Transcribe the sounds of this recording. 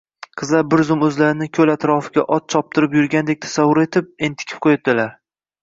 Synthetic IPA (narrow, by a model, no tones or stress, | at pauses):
qʰɨzlaɾbɪɾzʊmɵzlaɾɪnɪkʲʰɵlat̪ɾɒfɪɡʲa̰ʔɒt̪̚t͡ʃʰɒp̚t̪ʰɪɾɪpjʊɾɡʲand̪ek̚ʲt̪ʰḁsavːʊɾe̞t̪ʰɪp̚e̞nt̪ʰɪ̥kʰʲɪ̥p̚qʰojat̪̚d̪ɪlaɾ